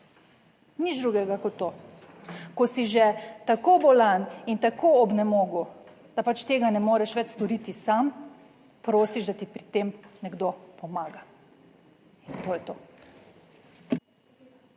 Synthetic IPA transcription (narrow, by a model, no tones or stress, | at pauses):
nid͡ʒd̪ɾuɡɛɡakɔt̪ːoː | kɔsiʒɛt̪akobɔlanint̪akoːɔbnɛmoːɡu | d̪̥apat͡ʃt̪eːɡanɛmoːɾɛʃʋɛt͡ʃst̪ɔɾiːt̪isam | pɾoːsiʒd̪at̪ipɾit̪emnɛɡd̪opɔmaːɡa | int̪oːjɛt̪oː